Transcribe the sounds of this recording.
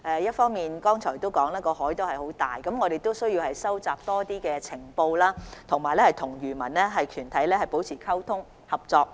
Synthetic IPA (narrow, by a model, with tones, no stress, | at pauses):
ʔɛː˨˧jɐ˥t̚fɔː˥ŋmiː˨nkɔː˥ŋt͡sʰɔː˨˩jt̪o˥wkɔː˨˥ŋlaː˥kɔː˧hɔː˨˥jt̪o˥whɐ˨jho˨˥wt̪a̰ː˨˩jkɐ˨˧mŋɔː˨˧ɾe˨jt̪o˥wsɵ˥ɥjiː˧whɐ˨jsɐ˥wt͡saː˨p̚t̪ɔː˥t̪iː˥kɛː˧t͡sʰɪ˨˩ŋpo˧wlaː˥t̪ʰʊ˨˩ŋmaː˨jlɛː˥hɐ˨jt̪ʰʊ˨˩ŋjyː˨˩mɐ̰˨˩nlɛː˥ɦɐ˨jkʰyː˨˩nt̪ʰɐ˨˥jlɛː˥hɐ˨jpo˨˥wt͡sʰiː˨˩kʰɐ˥wt̪ʰʊ˥ŋ | hɐ˨p̚t͡sɔː˧k̚